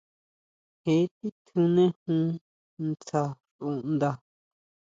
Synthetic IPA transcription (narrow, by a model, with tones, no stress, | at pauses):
he˨˦t̪i˦t̪ʰũ˧nẽ˦hũ˦ | nt͡sa˧ʂũ˧˨nd̪a˧